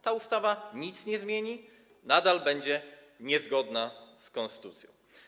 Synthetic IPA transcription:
t̪aust̪avaɲit̪sɲɛzmʲjeɲi | nad̪albɛɲd͡ʑɛ | ɲɛzɡɔd̪naskɔ̃nst̪ɘ̥t̪ut̪sʲjɔ̰̃w̃

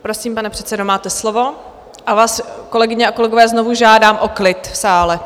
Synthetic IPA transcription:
pɾo̞siːmpanɛpr̥ɛt̪sɛdomaːt̪ɛslo̞vo̞ | ʔavaːsko̞lɛɡɪɲɛʔako̞lɛɡo̞vɛːznovuʒaːdaːmʔo̞klɪt̪saːlɛ

